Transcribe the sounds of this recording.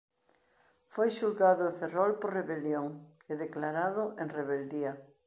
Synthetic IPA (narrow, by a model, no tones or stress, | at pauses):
fojʃuɾɣaðʊeɱferɔlpoɾreβeljoŋ | eðeklaɾað̞ʊʔẽŋreβeld̪iɐ